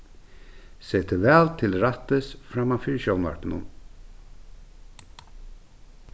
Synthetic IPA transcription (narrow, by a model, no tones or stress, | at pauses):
seːt̪ʰəvɛːlt̪ʰɪlɾat̪ɪsfɾamːafiɾʃjownva̰ɹt̪ɪnʊ̰n